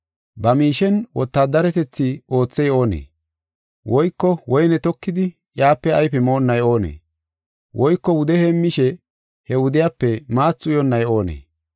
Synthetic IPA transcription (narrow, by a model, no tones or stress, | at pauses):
bɐmiːʃɛnwɔt̪ːaːd̪ɐɾɛt̪ɛt͡sːɪo̞ːt͡sːɛjo̞ːnḛː | wɔjkːɔwɔjnɛt̪ɔkːɪd̪ɪ | jaːpːɛɐjpɛmo̞ːnːɐjo̞ːnḛː | wʔɔjkːɔwʊd̪ɛhemːɪʃɛ | hɛwʊd̪ɪjaːpːɛmaːt͡sːʊjɔnːɐjo̞ːnḛː